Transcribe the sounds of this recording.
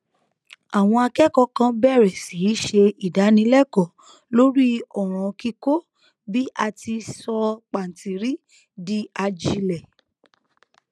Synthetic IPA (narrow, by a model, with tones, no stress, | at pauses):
a˨w̃ɔ̃˧a˧kɛ˦kɔ˧kã˧bɛ˦˨ɾɛ˨si˨˦ʃe˧i˨da˨˦nĩ˧˦lɛ˦˨kɔ˦˨ | lo˦ɾi˦ɔ˨ɾ̃ã˨˧ki˧ko˦ | bi˦ʔa˧ti˧sɔ˧k͡pa˨n̩˨ti˨ɾi˦ | di˦a˧d͡ʒi˧lɛ˨